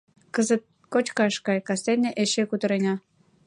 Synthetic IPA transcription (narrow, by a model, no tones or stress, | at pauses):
kəzət̪̚ | kot͡ɕkɑʃkɑjkɑsenʲeʔeʃekut̪ə̆ɾenʲɑ